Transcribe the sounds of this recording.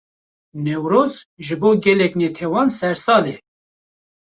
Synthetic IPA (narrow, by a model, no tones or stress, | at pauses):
nɛwɾoːzʒɨboːɡɛlɛknet̪ʰɛwɑːnsɛɾsɑːlɛ